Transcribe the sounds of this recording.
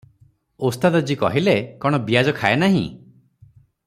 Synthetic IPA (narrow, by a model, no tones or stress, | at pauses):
ost̪ad̪ɔd͡ʒikɔ̰ɦilekɔɽ̃ɔbiad͡ʒɔkʰaenaɦḭ̃